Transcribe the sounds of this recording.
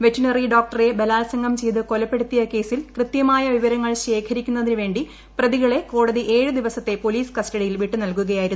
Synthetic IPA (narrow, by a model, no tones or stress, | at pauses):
ʋetːunɐriɖoːk̚ʈɐre̞belaːlsɐŋɡɐmt͡ɕe̞jðɨko̞lɐpːe̞ɽut̪ːijɐke̞ːsilkrɨt̪jɐmaːjɐʋiʋɐɾɐŋːɐɭɕe̞ːkʰɐɾikʲːunːɐðinɨʋe̞ːɳɖi | prɐðiɣɐɭe̞ko̞ːɽɐðiʔe̞ːɻɨd̪iʋɐsɐt̪ːe̞po̞liːskɐstɐɽijilʋiʈːɨnɐlkuɣɐjaːjiɾunː